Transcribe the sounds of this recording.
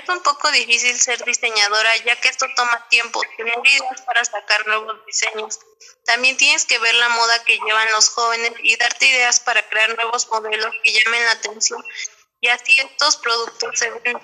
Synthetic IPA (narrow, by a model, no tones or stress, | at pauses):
esumpo̞ko̞ðifisilse̞ɾðise̞ɲað̞o̞ɾaʝakeest̪o̞t̪o̞mat̪je̞mposenoɾiðeaspaɾasakaɾnwe̞βo̞zðise̞ɲo̞s | t̪ambjent̪je̞ne̞ske̞βe̞ɾlamo̞ðake̞ʝe̞βanlo̞sxo̞βe̞ne̞siðaɾt̪e̞iðe̞aspaɾakɾe̞aɾnwe̞βo̞zmo̞ðe̞lo̞ske̞ʝamẽ̞nlaːt̪e̞nsjo̞n | iasie̞st̪o̞spɾo̞ðuk̚t̪o̞sːe̞βen